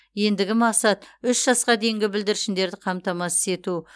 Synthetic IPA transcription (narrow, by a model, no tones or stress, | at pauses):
je̞nd̪ɪɡʲɪmɑqsɑt̪ʏʃʒ̥ɑsqɑd̪e̞jɪŋɡʲɪbɪld̪ɪɾɪʃɪnd̪e̞ɾd̪ɪqʰɑmt̪ɑmɑsɪ̥se̞t̪u